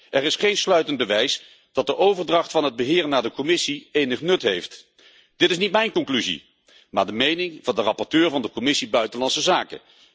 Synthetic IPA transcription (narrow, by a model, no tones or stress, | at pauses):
ʔɛɾɪsχejnslœɥtənd̚bəʋɛjs | d̥ɑt̚dəʔowvəɹdrɑχtfɑnɦəd̚bəɦɪːɹnaːɹdəkɔmɪsiejnəχnɵtɦejft | d̥ɪtɪsnitmɛjnkɔŋklyzḭ | maːɹdəmejnɪŋvɑndərɑpɔɹtøːɹvɑndəkɔmɪsibœɥtənlɑnsəzaːkə̰